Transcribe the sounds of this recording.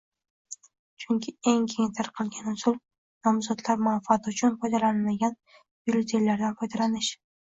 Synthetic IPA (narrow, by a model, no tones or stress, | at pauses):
t͡ʃʰʊŋkʲʰɪeŋkʲʰe̞ŋɪt̪ʰaɾqʰɨlˠɡʲanʊsʊlˠ | nɒmzɒd̪laɾmʊafat̪ʰʊt͡ʃʰʊnpɒjd̪alanmaɡʲan | bilot̪ʰejlaɾd̪anpʰɒjd̪alanɪʃ